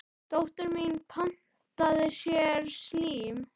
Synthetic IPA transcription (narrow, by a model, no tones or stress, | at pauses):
t̪owht̪ʏɾminpʰan̥ | t̪aðɪsjɛɾsliːm